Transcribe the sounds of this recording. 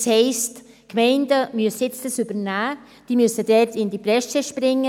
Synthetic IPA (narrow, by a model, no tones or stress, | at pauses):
shɛɪst | kmɛɪndəmyəsɪt͡stəsybəɾnæː | d̥iːmyəsəd̥ɛtɪndipɾɛsəʃpɾɪŋːə